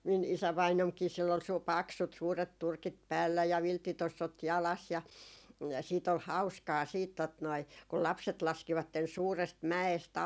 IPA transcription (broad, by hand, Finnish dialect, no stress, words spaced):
min isæʋɑinomkiː silː ol suː pɑksut suːret turkit pæːlːæ jɑ ʋiltːitosːot jɑlɑs jɑ siːt ol hɑu̞skɑː siːt tot noi kul lɑpset lɑskiʋɑtːen suːrest mæest